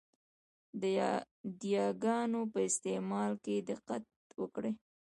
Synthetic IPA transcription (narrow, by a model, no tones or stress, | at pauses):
d̪ə | d̪jɑɡɑnopəɪst̪emɑlked̪əqat̪̚wəkɽe